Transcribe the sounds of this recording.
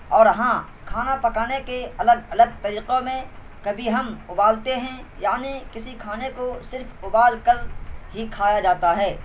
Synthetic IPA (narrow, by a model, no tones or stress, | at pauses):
ɔːɾɦã | kʰaːnapɐkaːnekeɐləɡɐləɡ̚t̪ɐɾiːqomẽ | kɐbʱiɦɐmʊbaːlt̪eɦɛ̃jaːnikɪsikʰaːnekosɪɾfʊbaːlkɐlɦikʰaːjad͡ʒaːt̪aɦɛː